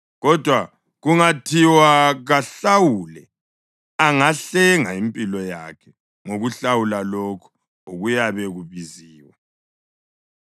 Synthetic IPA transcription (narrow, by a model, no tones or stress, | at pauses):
ɣɔd̥ʱwa | ɣuŋatʰiwaɣaɬawulɛ | aŋaɬɛŋaimpʼilɔjakʰɛ | ŋoɣuɬawulalokʰu̥ | oɣujaβɛɣuβiziːwa